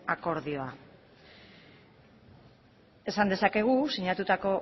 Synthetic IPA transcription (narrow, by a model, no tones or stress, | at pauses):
ako̞ɾðio̞a | e̞sand̪e̞sake̞ɣ̞usiɲat̪ut̪ako̞